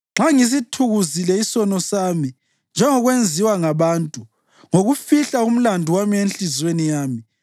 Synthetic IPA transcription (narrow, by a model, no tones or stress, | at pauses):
ŋ͡ǁʱaŋis̬itʰuɣuzilɛisɔnɔsaːmi | nd͡ʒʱɛŋɔɣwend͡zʱiwaŋaβaːntʼu | ŋoɣufiɬaum̩landʱuwamiwenɬizwenijaːmi